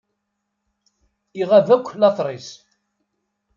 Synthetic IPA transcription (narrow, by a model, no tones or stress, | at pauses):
iʁævækʷːlɑθˤɾˤis